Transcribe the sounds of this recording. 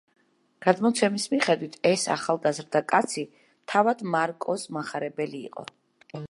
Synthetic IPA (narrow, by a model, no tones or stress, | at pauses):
ɡ̥ad̪mɔt̪sʰɛmismiχɛd̪wit̪ʰɛsa̰χalˠɡazɾd̪akʼat̪sʰi | t̪ʰavad̪maɾkʼɔsmaχaɾɛbɛlḭːqʼɔ̰